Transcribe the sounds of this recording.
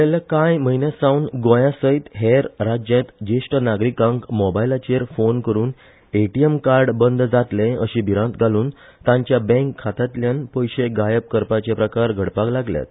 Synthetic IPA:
t̪elakajməinjasãwnɡõjãsəjt̪ɦeɾɾad͡ʑjẽt̪d͡ʑeʂʈənaɡɾikãŋkmɔbailat͡ɕeɾfonkəɾuːn | eʈiemkaɾɖbənd̪ʱd͡zat̪lẽəɕĩbʱiɾãt̪ɡaluːn | t̪ãɲt͡ɕjabɛ̃ŋkʰːat̪at̪ljãnpəjɕeɡajəp̚kəɾpat͡ɕepɾəkaɾɡʱəɽpaklaɡlja̰t̪

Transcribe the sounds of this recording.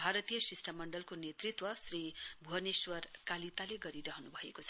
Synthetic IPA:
bʱaɾʌt̪ijʌsisʈʌmːʌɳɖʌlkonet̪rit̪wʌsribʱuɦʌneswʌrkalit̪aleɡʌɾiɾʌɦʌnubʱʌekot͡sʰʌ

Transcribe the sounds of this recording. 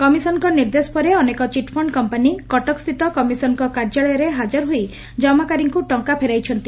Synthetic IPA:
kɔmisɔnkɔniɾd̪esɔ̥pɔɾeɔnekɔt͡ʃiʈpʰɔɳɖkɔmpanikɔʈɔkst̪ʰit̪ɔkɔmisɔnkɔkaɾd͡ʒaɭɔjɔɾeɦad͡ʒɔɾɦoj | d͡ʒɔmakaɾiŋkuʈɔŋkapʰeɾajt͡ʃʰɔnt̪i

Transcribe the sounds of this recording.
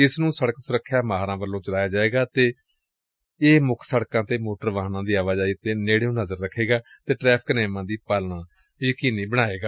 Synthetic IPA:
ɪsnũːsəɽəksʊɾəkʰːjaːmaːɦaɾãːbəlːõːt͡ʃəɽaːjaːd͡ʒaːeːɡaːt̪eː | eːmʊkʰsəɽkãːt̪eːmoːʈəɾʋaːɦnãːd̪iːaːʋaːzaːit̪eːneːɽeːũːnəzəɾːəkʰːeːɡaː | t̪eːʈɾɛːpʰknɛːmãːd̪iːpaːlɳãː | jəkiːniːbəɽ̃aːeːɡaː

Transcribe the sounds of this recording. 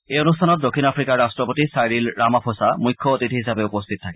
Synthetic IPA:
ejonustʰanɔt̚dokʰːinapʰɹikaɹɹastɹɔpotisajɹilɹamapʰosamujkʰːɔotitiɦisabɛupostʰit̚tʰakɛ

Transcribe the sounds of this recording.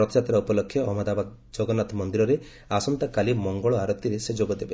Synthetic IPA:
ɔt̪d͡ʒat̪ɾaupɔlɔkʰːjɔːɦɔmɔd̪abad̪ | d͡ʒɔɡɔnat̪mɔnd̪iɾɔɾe | asɔnt̪akalimɔŋɡɔɭɔaɾɔt̪ːiɾesed͡ʒoɡɔd̪ebe

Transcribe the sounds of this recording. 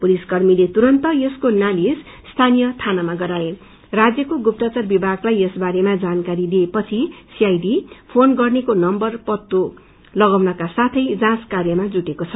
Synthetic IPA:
puliskʌrmilet̪uɾʌnt̪ʌjeskonalisst̪ʰanijʌt̪ʰanamaɡʌɾae | rad͡zjʌkoɡup̚t̪at͡sarbibʱaɡlajesbaɾemad͡zankaɾid̪iepʌt͡sʰisiajdipʰonɡʌrnekonʌmbʌrpʌt̪ːu | lʌɡʌwnʌkasat̪ʰʌjd͡zãskarjʌmad͡zuʈekot͡sʰʌ

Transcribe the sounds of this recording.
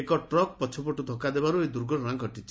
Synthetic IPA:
ekɔʈɾɔk̚pɔt͡ʃʰɔpɔʈud̪ʱɔkad̪ebaɾued̪uɾɡɔɽɾãŋɡʱɔʈit͡ʃʰi

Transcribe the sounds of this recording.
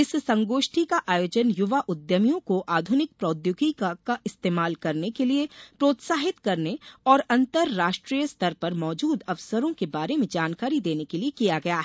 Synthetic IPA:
ɪsːɐ̃ŋɡoːʃʈʰikaʔaːjoːd͡ʒənjʊʋaʔʊd̪jəmijõkoʔaːd̪ʱʊnɪk̚pɾɔːd̪jʊɡikkaɪst̪eːmaːlkɐɾnekeliepɾoːt̪saːɦɪt̪kɐɾneɔːɾɐ̃nt̪əɾːaːʃʈɾijəst̪ʰɐɾpɐɾmɔːd͡ʒuːd̪ɐʋsəɾõkebaːɾemẽd͡ʒaːnkaːɾid̪eːnekeliekijaɡɐjaɦɛ

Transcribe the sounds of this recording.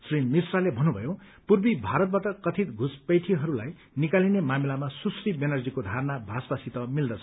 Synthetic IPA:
srinmisralebʱʌnːubʱʌjõ | purbibʱaɾʌt̪̚baʈʌkʌt̪ʰit̪ɡʱuspʌjʈʰiɦʌɾulaj | nikalinemamilamasusribenʌrd͡zikod̪ʱarnabʱasbasit̪ʌmild̪ʌt͡sʰʌ

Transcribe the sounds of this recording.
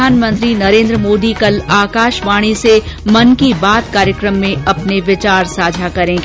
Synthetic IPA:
aːnmə̃nt̪ɾinɐɾẽːnd̪ɾəmoːd̪ikɐlaːkaːʃʋaːɽ̃isemɐnkibaːt̪kaːɾjəkɾəmːẽɐpneʋɪt͡ʃaːɾsaːd͡ʒʱakɐɾẽːɡ

